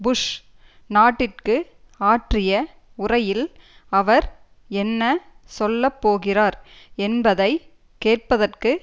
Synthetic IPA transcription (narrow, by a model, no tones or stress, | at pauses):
bʊʂ | naːʈːɪrkɯ | aːʈrɪjɐ | ʊrɐjɪlɐʋɐɾ | ɛnːɐsɔlːɐpːoːɣɪraːɾɛnbɐðɐɪ | keːʈ̚pɐðɐrkɯ